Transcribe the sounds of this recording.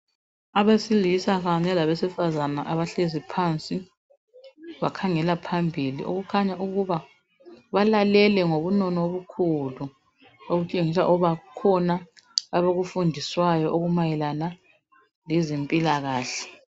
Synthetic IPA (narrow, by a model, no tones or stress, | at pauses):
aβesilisaɣaɲɛlaβesifazanaʔaβaɬezipʰant͡sʼi | βakʰaŋɛlapʰambʱilḭʔo̰ɣukʰaɲauɣuβa | βalalɛlɛŋoβunɔnɔoβukʰulu | oɣut͡ʃʼeŋisaʔɔβakʰɔnaːβoɣufundʱiswajɔʔoɣumajɛlana | lɛzempʼilaɣaːɬɛ̥